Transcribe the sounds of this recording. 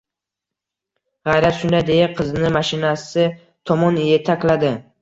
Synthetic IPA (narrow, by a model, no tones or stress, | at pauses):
ʁɑjɾat̪ʃʊnd̪ajd̪e̞jaqʰɨzɪnɪmaʃɪnasɪ | t̪ʰɒmɒnjet̪ʰakʲlad̪ɪ